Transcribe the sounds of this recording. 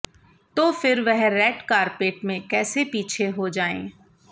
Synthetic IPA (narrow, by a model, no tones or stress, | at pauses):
t̪oːfɪɾʋɛɦɾɛːʈkaːɾpeːʈmẽkɛːsepiːt͡ʃʰeɦod͡ʒaːḛ̃ː